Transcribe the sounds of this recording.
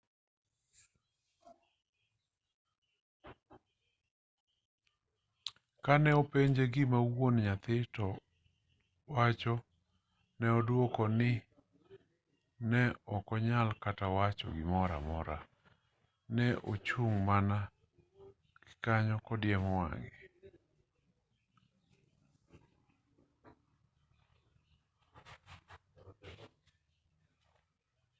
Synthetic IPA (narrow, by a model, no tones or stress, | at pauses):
kanɛɔpeɲd͡ʒeɡɪmawonɲat̪ɪtɔ | wat͡ʃɔ | nɛɔdwokɔnɪ | nɛɔkɔɲalkatawat͡ʃɔ̰ɡɪmɔɾa̰mɔɾa | nɛʔot͡ʃuŋmana | ɡ̥ɪ̥kaɲɔkɔdjɛmɔwa̰ŋɪ